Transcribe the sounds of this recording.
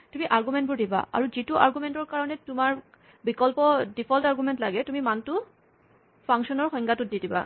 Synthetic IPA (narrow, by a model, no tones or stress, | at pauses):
tumiʔaɹɡumɛntbʊɹdiba̰ʔa̰ɹuzituʔa̰ɹɡumɛntɔɹkaɹɔnɛtumaɹ | bikɔlpɔdipʰɔltaɹɡumɛntlaɡɛtumimantʊ | pʰaŋksɔnɔɹxɔŋɡʱatʊt̚didiba̰